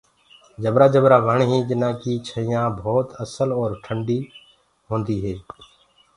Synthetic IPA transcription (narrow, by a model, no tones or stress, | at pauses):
d͡ʒəbɾaːd͡ʒəbɾaːʋəɳɦĩːd͡ʒɪnãːkiːt͡ʃʰəɪjãːbʱoːt̪əsəlɔːɾʈʰəɳɖiː | ɦõːnd̪iːɦeː